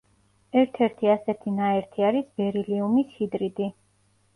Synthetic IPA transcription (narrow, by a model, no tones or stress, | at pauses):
ɛɾt̪ʰɛɾt̪ʰiasɛt̪ʰinaɛɾt̪ʰiaɾisbɛɾiliumishid̪ɾid̪i